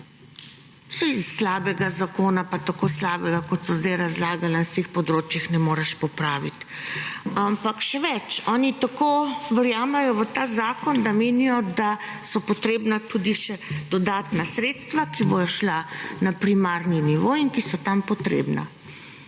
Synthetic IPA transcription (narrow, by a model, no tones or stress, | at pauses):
sɔisːlaːbɛɡazakoːnapat̪akoːslaːbɛɡakɔt̪sɔzd̪ajɾazlaːɡalanast̪eːxpɔd̪ɾoːt͡ʃjixnɛmoːɾaʃpɔpɾaːʋit̪ | ampakʃɛʋɛt͡ʃɔːnit̪akoʋəɾjaːmɛjɔʋət̪aːzaːkɔnd̪ameːnijɔd̪a | sɔpɔt̪ɾeːbnat̪ud̪iʃɛd̪̥ɔd̪aːt̪nasɾeːt̪st̪ʋakibojɔʃlanapɾimaːɾniniʋoːiŋkisɔt̪ampɔt̪ɾḛːbna̰